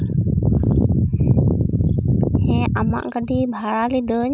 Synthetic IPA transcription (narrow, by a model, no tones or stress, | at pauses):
hɛama̰ʔɡəɖibʱaɽalid̪əɲ